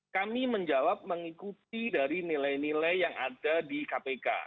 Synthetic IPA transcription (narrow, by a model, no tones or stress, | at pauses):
kamiməɲd͡ʒawap̚məŋikut̪̚idaɾinilajnilajːaŋa̰dadikapeka̰